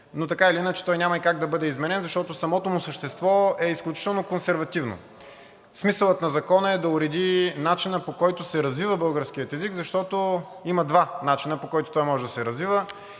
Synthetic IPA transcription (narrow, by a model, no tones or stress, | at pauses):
not̪ɐkailiinət͡ʃɛ̥t̪ɔjnʲamɐikaɡ̚d̪ɐbɤd̪ɛizmɛnɛnzɐʃt̪ɔt̪osɐmɔt̪omʊsəʃt̪ɛst̪vɔɛisklʲut͡ʃi̥t̪ɛlˠnokonsɛɾvɐt̪ivno̰ | smisəlˠət̪nɐzɐkɔnəɛd̪ɐuɾɛd̪inat͡ʃinəpokɔjt̪ʊsɛɾɐzvivəbɤlˠɡəɾskiət̪ɛziɡzɐʃt̪ɔt̪o | iməd̪vanat͡ʃinəpokɔjt̪o̥t̪ɔjmɔʒɛd̪ɐsɛɾɐzvivə